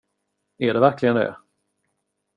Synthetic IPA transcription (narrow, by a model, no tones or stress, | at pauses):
æɖɛvæɾklɪɡənd̪ɛ̰